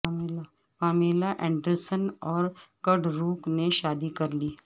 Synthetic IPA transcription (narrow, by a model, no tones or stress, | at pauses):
paːmeːlaʔɛ̃ːɳɖəɾsənɔːɾkɐɖɾuːkneʃaːd̪ikɐɾliː